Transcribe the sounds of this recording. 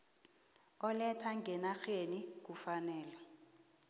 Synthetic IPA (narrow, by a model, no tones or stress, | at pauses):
ɔlɛtʰaŋɡɛnaxenik̬ufanɛːlɔ